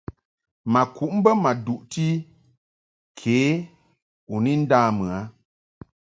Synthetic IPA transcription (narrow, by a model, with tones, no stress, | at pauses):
ma˨kʰu˨ʔm̩˦bə˦ma˨du˨ʔti˦ | kʰeː˨˦ | u˨ni˦n̩˦daː˦mɨ˨a˨˦